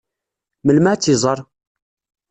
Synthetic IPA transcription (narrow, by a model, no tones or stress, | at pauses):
məlmat͡sːizˤɑɾˤ